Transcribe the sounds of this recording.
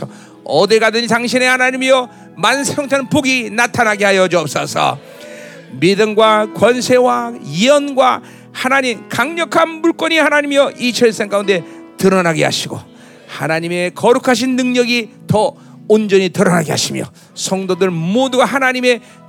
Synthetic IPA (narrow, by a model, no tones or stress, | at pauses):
ʌ | ʌdɯɭɡadɯnitaŋɕʰine̞hanaɲimijʌ | mansʰʌŋt͡ɕʰannpoɡinatʰanɦaɡeɦajʌd͡ʑiʌp̚s͈ʌsʰʌ̰ | midɯmɡwakwʌnsʰe̞waiʌnɡwa | hanaɲimkaŋɲʌkʰanmuɭk͈ʌɲihanaɲimjʌʔit͡ɕʰʌɭs͈eŋk͈aunde̞tɯɾʌnaɡḛɦa̰ɕʰiɡo̰ | ha̰naɲime̞kʌɾukʰaɕ̬ʰinːɯŋɲʌɡitʌ | ond͡ʑʌɲitɯɾʌnaɡeɦa̰ɕʰimjʌ̰ | sʰʌŋdodɯɭmoduɡaɦanaɲime̞